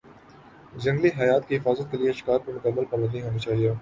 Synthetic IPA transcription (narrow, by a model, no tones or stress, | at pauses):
d͡ʒɐ̃ŋɡliɦɐjaːt̪̚kiɦɪfaːzət̪̚kelieʃɪ̥kaːɾpɐɾmʊkəmːəlpɐbə̃nd̪nĩɦoːnit͡ʃaːɦijaː